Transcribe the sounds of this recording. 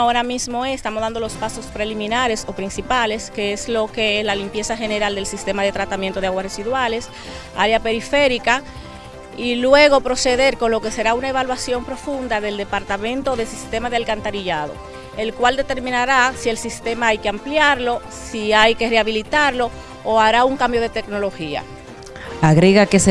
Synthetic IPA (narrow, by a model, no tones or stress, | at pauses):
o̞ɾamismo̞est̪amosðand̪o̞lospaso̞spɾe̞limĩnaɾe̞so̞pɾinsipale̞ske̞eslo̞ke̞eslalimpje̞saxe̞ne̞ɾald̪e̞lsist̪e̞maðe̞t̪ɾat̪amjent̪o̞ðeaɣwaresiðwale̞s | aɾjape̞ɾife̞ɾika | ilwe̞ɣo̞pɾo̞se̞ðe̞ɾko̞nlo̞ke̞se̞ɾaunae̞βalwasjo̞mpɾo̞fund̪aðe̞ld̪e̞paɾt̪amẽ̞nt̪o̞ðe̞sist̪e̞maðealkant̪aɾiʝað̞o̞̰ | e̞lkwald̪e̞t̪e̞ɾmĩnaɾasie̞lsist̪e̞maajke̞ampljaɾlo̞ | siajke̞re̞aβilit̪aɾlo̞ː | aβɾauŋkambjo̞ð̞e̞t̪ekno̞lo̞xia̰ | aɣɾeɣakes